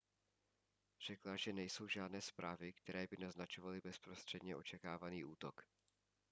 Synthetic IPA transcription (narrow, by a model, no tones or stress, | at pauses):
r̝̥ɛklaʒɛnɛjso̞wʒaːdnɛːspɾaːvɪkt̪ɛɾɛːbɪnaznat͡ʃovalɪbɛspɾo̞st̪r̥ɛdɲɛʔo̞̰t͡ʃɛkaːvaniːʔuːt̪o̞k